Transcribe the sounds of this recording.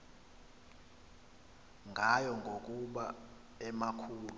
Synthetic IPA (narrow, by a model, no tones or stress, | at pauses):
ŋɡʱajɔŋɡʱok̬ʼuɓa | ɛmakʰuːlu